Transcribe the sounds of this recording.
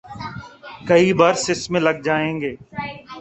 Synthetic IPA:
kɐibaːɾsɪsmẽlɐɡ̚d͡ʒaːẽːŋɡeː

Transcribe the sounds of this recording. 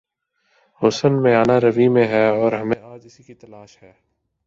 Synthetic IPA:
ɦʊsənmẽaːnaɾɐʋimẽɦɛːɔːɾɦɐmẽaːd͡ʒɪsikit̪ɐlaːʃɦɛː

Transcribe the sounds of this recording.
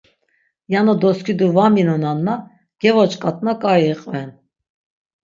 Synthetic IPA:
janɔd̪ɔskʰid̪uvaminɔnanːa | ɡ̥ɛvɔt͡ʃʼkʼat̪ʼnakʼajɛqʼvɛn

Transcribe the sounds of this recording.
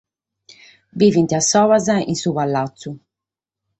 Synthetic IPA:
viːvint̪iasːɔːvazaḭnsuːβalːat̪sːu

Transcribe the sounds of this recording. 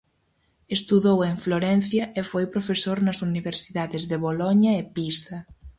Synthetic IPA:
est̪uðoweɱfloɾɛn̟θjɐʔefojpɾofesoɾnasuniβeɾsiðaðezðeβolɔɲaepisɐ

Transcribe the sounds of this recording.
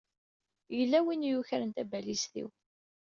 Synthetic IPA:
jəlːæwinjuçəɾənt̪æbælisθḭw

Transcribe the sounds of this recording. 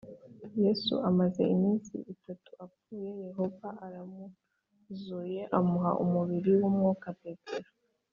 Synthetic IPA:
je̞sṵʔamaze̞̰imiːnsḭʔitatu̥ap͡fuːje̞je̞ho̞vaʔaɾamu | zuje̞ʔamuɦa̰ʔumuβiɾiwuːmŋuːkapetʰeɾa

